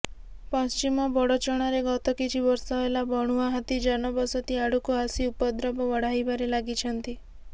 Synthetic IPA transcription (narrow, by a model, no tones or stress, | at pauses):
pɔst͡ʃimɔbɔɽɔt͡ʃɔɽ̃aɾeɡɔt̪ɔkit͡ʃʰibɔɾsaelabɔɽ̃uaɦat̪id͡ʒanɔbɔsɔt̪iaɽ̤ukoɦasiupɔd̪ɾɔbɔʋɔɽ̤ajbaɾelaɡit͡ʃʰɔnt̪i